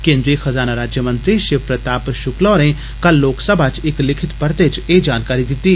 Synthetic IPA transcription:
kẽːnd̪ɾixɐzaːnaɾaːd͡ʒjəmə̃nt̪ɾiʃɪpɾɐt̪aːpʃʊklaːɾẽ | kɐlːoːksəbʱat͡ʃɪklɪkʰɪt̪pɐɾt̪et͡ʃeːd͡ʒaːnkaːɾid̪ɪt̪ːiː

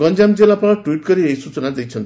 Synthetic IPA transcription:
ɡʌnd͡ʒamd͡zelapaʈuwiʈ̚ɡʌɾiejsut͡sʌnad̪ejt͡sʰʌnt̪

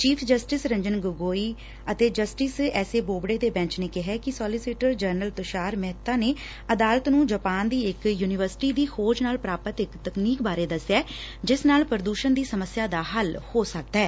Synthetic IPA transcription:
t͡ʃiːpʰd͡ʒəsʈɪsɾə̃ɲd͡ʒənɡʊɡoːiː | ət̪eːd͡ʒəsʈɪsɛːseːboːbɽeːd̪eːbɛ̃ːt͡ʃneːkɪɦɛːkɪsɔːlɪsiːʈəɾd͡ʒəɾnəlt̪ʊʃaːɾmɛɦt̪ːãːneː | əd̪aːlət̪nũːd͡ʒəpaːnd̪iːɪkjuːnɪʋəɾsʈiːd̪iːxʰoːd͡ʒnaːlpɾaːpət̪ɪkt̪əkniːk̚baːɾeːd̪əsjɛːd͡ʒɪsnaːlpəɾəd̪uːʃənd̪iːsəməsːɪjaːd̪aːɦəlhoːsək̚d̪aɛː

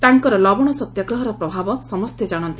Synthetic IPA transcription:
t̪aŋkɔɾɔlɔbɔɽ̃ɔsɔt̪jaɡɾɔɦɔɾɔpɾɔbʱabɔsɔmɔst̪jed͡ʒaɽ̃ɔnt̪i

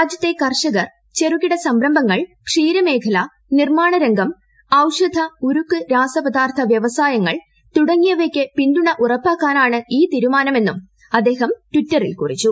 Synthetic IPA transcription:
aːd͡ʑjɐt̪ːekɐrʂɐɣɐr | t͡ɕe̞rukːiɽɐsɐmbɾɐmbʱɐŋːɐɭkʂiːɾɐme̞ːkʰɐlɐ | nirmaːɳɐɾɐŋɡɐm | ɐwʂɐd̪ʱɐuɾukːɨɾaːsɐpɐd̪aːrt̪ʰɐʋjɐʋɐsaːjɐŋːɐɭ | t̪uɽɐŋːijɐʋekʲːɨpinduɳɐʔurɐpːaːkːaːnaːɳɨiːt̪iːɾumaːnɐme̞nːum | ɐd̪ːe̞ːɦɐmtwitːɐrḭlkurit͡ɕːu

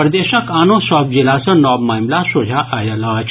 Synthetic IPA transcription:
pɾd̪eːʃəkaːnõːsɔːp̚d͡ʒilasə̃nɔːbmaːmlasod͡ʒʱaʔajɐlaːt͡ʃʰ

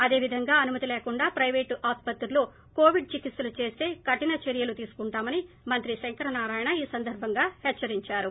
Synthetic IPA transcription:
ɐd̪e̞ːʋid̪ʱɐŋɡaːɐnumɐt̪ileːkuɳɖaːpɾɐjʋeːʈʔaːspɐt̪ɾulo̞ː | ko̞ːʋiɖ̚t͡ʃikit̪sɐlut͡ʃe̞ːst̪e̞ːkɐʈinɐt͡ʃeɾijɐlut̪iːsu̥kuɳʈaːmɐni | mɐnt̪ɾiʃeŋkɐɾɐnaːɾaːjɐɳɐiːsɐnd̪ɐɾbʱɐŋɡaːhɛt͡ʃːɐɾiɲt͡ʃaːɾu

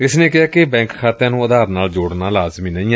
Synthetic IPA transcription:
ɪsneːkɪaːkɪbɛ̃ːŋkkʰaːt̪ãːnũːəd̪aːɾnaːld͡ʒoːɽnaːlaːzmiːnə̃ĩːɛ

